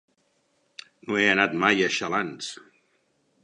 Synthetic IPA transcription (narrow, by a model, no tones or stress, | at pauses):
noeənat̪majəʃalans